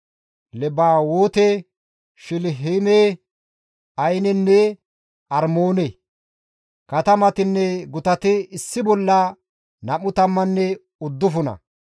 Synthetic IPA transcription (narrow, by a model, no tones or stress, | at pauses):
lɛbaːwoːt̪ɛ | ʃɪlɦemeː | ɐjnɛnːɛ | ʔɐɾmoːnɛ | kɐt̪ɐmɐt̪ɪnːɛɡʊt̪ɐt̪ɪɪsːɪbɔlːɐ | nɐmʊt̪ɐmːɐnːɛ | ʊd̪ːʊfʊnɐ̰